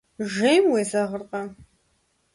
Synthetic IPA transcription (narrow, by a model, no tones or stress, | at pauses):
ʒejmweːzɐʁərqʼɐ